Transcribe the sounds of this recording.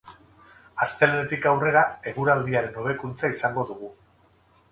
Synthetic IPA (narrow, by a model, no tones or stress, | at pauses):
ast̪e̞lenet̪ikawre̞ɾae̞ɣuɾald̪iaɾe̞no̞β̞e̞kunt͡saisaŋɡo̞ðuɣ̞u